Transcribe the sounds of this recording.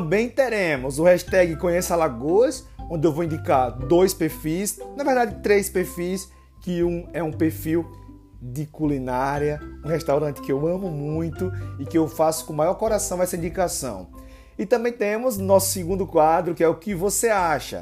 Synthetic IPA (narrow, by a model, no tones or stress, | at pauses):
t̪ɐ̃bẽj̃t̪eɾẽmʊzʊhɛʃt̪ɛɡɪkõɲesalaɡos | õnd̪ɪewvowĩnd̪ikaɾd̪ojspeɾfisnɐvɛɾd̪ad̪ɪt̪ɾespeɾfis | kɪũɛũpeɾfiw | d̪ɪkulinaɾjɐũheʃt̪awɾɐ̃nt̪ɪ̥kɪewɐ̃mʊmũj̃t̪ʊɪkɪewfasʊ̥kõmajɔɾkɔɾasɐ̃w̃ɛsɐĩd̪ikasɐ̰̃w̃ | ɪt̪ɐ̃mbẽj̃t̪ẽmʊznɔsʊ̥sɪɡũnd̪ʊkwad̪ɾʊkɪɛʊkɪvoseaʃɐ̰